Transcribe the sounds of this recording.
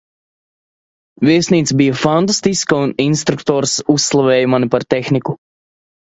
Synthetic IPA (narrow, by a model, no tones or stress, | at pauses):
vʲiɛsniːt̪sbijafant̪̬ast̪iskauninst̪ɾukt̪ɔːɾsusːlˠavɛːjmanipaɾt̪ɛxniku